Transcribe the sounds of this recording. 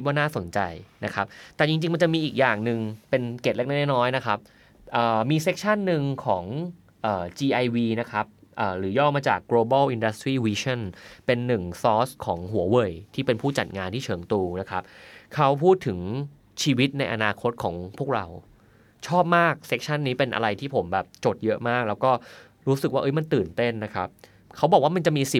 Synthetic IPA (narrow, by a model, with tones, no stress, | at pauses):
t̪̚waː˥naː˥˩so˩˦nt͡ɕa̰˧jna˦˥kʰa˦˥p̚t̪ɛː˨˩t͡ɕi˧ŋt͡ɕi˧ŋma˧nt͡ɕa˨˩ʔmiː˧ʔiː˨˩k̚jaː˨˩ŋnɯ˨˧ŋpe˧nke˨˩t̪̚le˦˥na˥˩nɛ˥˩nɔː˦˥jna˦˥kʰa˦˥p̚ | ʔəː˨˩miː˧se˦˥k̚t͡ɕʰa˥˩nːɯ˧ŋkʰɔː˩˦ŋ | ʔəː˨˩t͡ɕiː˧ʔa˧jwiː˧na˦˥kʰɾa˦˥p̚ʔəː˨˩ɾɯː˩˦jɔː˥˩maː˧t͡ɕa̰ː˨˩kːloː˧ba˥˩wʔi˧nda˦st̪ɾiː˥˩wiː˧t͡ɕʰa˥˩npe˧nːɯ˨˩ŋsɔː˦˥skʰɔː˩˦ŋɦu˨˩˦ɐwɤ˨˩jt̪ʰiː˥˩pe˧npʰuː˥˩t͡ɕa̰˨˩t̪̚ŋaː˧nt̪ʰiː˥˩t͡ɕʰɤː˩˦ŋt̪uː˧na˦˥kʰɾa˦˥p̚kʰa˦˥wpʰuː˥˩t̪ʰːɯ˩˦ŋ | t͡ɕʰiː˧wi˦˥t̪̚na˧jʔa̰˧naː˧kʰo˦˥t̪̚kʰɔ̰ː˩˦ŋpʰu˥˩ək̚ɾa˧w | t͡ɕʰɔː˥˩p̚maː˥˩k̚se˦˥k̚t͡ɕʰa˥˩nːiː˦˥pe˧nʔa̰˧ɾa˧jt̪ʰiː˥˩pʰo˩˦mbɛː˨˩p̚t͡ɕo˨˩t̪̚jɤ˦˥ʔmaː˥˩k̚lɛː˦˥wkɔː˥˩ | ɾuː˦˥sɯ˨˩k̚waː˥˩ʔɤ˦˥jma˧nt̪ɯː˨˩nt̪e˥˩nːa˦˥kʰa˦˥p̚ | kʰa˦˥wbɔː˨˩k̚waː˥˩ma˧nt͡ɕa˨˩ʔmiː˧si˨˩